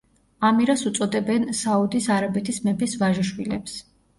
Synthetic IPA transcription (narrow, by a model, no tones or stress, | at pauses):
amiɾasut̪sʼɔd̪ɛbɛnsaud̪isaɾabɛt̪ʰismɛpʰisvaʒiʃwilɛ̰ps